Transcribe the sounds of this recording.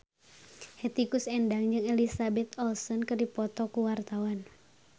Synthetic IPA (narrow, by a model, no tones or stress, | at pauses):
hɛt̪ikusɛndaŋd͡ʒɨŋɛlisabɛt̪ɔlsɔnkɨrdipɔt̪ɔkuwart̪awan